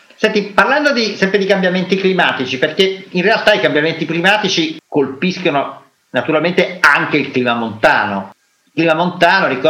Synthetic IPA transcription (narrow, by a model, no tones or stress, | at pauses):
sɛnt̪iparland̪od̪isɛmpɾed̪ikambjament̪iklimaːt̪it͡ʃiperk̟einrealt̪aikambjament̪iklimaːt̪it͡ʃikolpiskono | nat̪uɾalment̪eaŋk̟eilkliːmamont̪a̰ːno | ikliːmamont̪aːnoɾikɔ